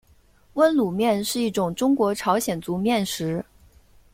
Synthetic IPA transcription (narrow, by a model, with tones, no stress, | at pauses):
wə˥nlu˨˩mjɛ˥˧nʂɻ̩˥˧i˥˩ʈ͡ʂʊ˨˩ŋʈ͡ʂʊ˥ŋkwɔ˧˥ʈ͡ʂʰɑ˧˥ʊɕjɛ˨˩nt͡su˧˥mjɛ˥˩nʂɻ̩˧˥